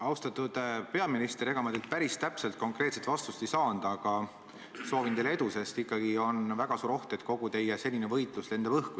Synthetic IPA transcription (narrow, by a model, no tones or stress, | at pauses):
ɑwst̪ɑt̪ːˑud̪̥pe̞ɑminist̪eɾe̞ɡ̥ɑmɑd̪elt̪̚pæɾist̪æpselt̪̚ko̞ŋkˑre̞ːt̪se̞t̪ːˑvɑst̪ust̪isɑːnd̪̥ɑɑɡ̥ɑ | so̞ːvint̪ejlee̞d̪use̞st̪ikːɑɡ̥io̞nvæɡ̥ɑsuːɾo̞ht̪et̪ˑko̞ɡut̪e̞jese̞lʲːinevɤjt̪ˑlusle̞nd̪ɑbɤhku